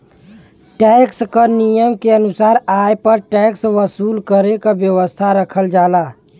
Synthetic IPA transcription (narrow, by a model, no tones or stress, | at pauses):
ʈɛkskənijəmkeənusaɾajpəɾʈɛksʋəsuːlkəɾekabjəʋəst̪ʰaɾəkʰəld͡ʒala